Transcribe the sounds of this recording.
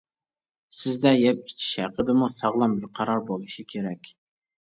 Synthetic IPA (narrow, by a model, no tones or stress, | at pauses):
sɪzd̪ɛjɛp̚t͡ʃʰi̥t͡ʃ̪ʰɪ̥ʃhæ̰qəd̪ɪmusɑʁlˠɑmbɪɾqʰɑɾɑɾbolˠɨʃikʲʰeɾɛkʲ